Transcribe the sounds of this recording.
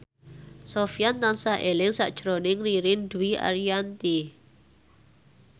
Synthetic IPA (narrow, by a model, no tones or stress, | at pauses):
sofjant̪ansaʔelɪŋsa̰ʔd̥ʒ̥ɾonɪŋriɾɪnd̪uwia̰ɾiant̪i